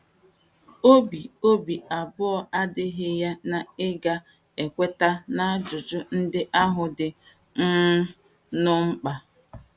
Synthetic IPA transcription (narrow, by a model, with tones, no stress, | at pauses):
o˦bi˨o˦bi˨a˨bʊ˦ɔ˦a˦dɪ˦ɦɪ˦ja˦na˨ɪ˦ɡa˦ | e˨kʷe˦ta˦na˦a˦d͡ʒʊ˨d͡ʒʊ˦n̩˦dɪ˦ʔa˦ɦʊ˨dɪ˨ | ŋ̩˦ | nʊ˦ŋ͡m̩˦k͡pa˨